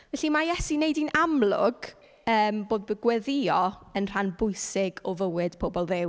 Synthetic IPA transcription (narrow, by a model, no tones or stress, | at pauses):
vɛɬimajɛsinejdinʔamlˠʊ̰ɡ̥ | əːmboːd̚bəɡwɛðɪɔənr̥anbʊɨsɪɡɔvəwɪd̥pʰoːbɔlˠðɪw